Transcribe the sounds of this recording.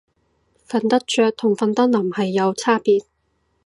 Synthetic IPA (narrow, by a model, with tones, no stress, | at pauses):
fɐ˨˧nt̪ɐ˥k̚t͡ʃœː˧k̚t̪ʰʊ˨˩ŋfɐ˨˧nt̪ɐ˥k̚lɐ˨˩mhɐ˨jːɐ˨˧wt͡sʰaː˥piː˧t̚